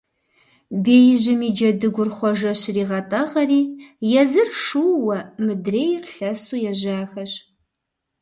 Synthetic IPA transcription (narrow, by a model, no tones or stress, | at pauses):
beːjʑɪmiːd͡ʒɐdɨɡʷʊrχʷɔʒɐɕriːʁɐtʼɐʁɐriːjɛzɨrʂuːwɐmɨdreːjrɬɐsuːjɛʒaːxɐɕ